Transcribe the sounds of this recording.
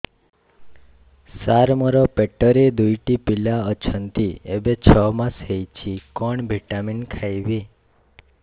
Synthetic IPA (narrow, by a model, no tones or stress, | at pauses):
saɾməɾɔpɛʈːəɾed̪ujʈipilaət͡ʃʰənt̪iebet͡ʃʰɔmãsɦejt͡ʃʰikɔɳbʱiʈaminkʰajʋe